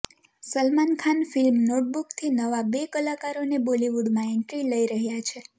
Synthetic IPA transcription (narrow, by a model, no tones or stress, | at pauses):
səlmankʰanfilmnoʈ̚bukt̪ʰinəʋabekəlakaɾoneboliʋuɖmãenʈɾiləiɾəɦjat͡ʃʰe